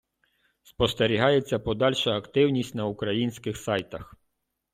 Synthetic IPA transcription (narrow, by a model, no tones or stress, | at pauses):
spɔst̪eɾʲiɦɑjet͡sʲːɐpɔd̪ɑlʲʃɐːkt̪ɪwnʲisʲtʲnɐukɾɐjinʲsʲkɪxsɑjt̪ɐx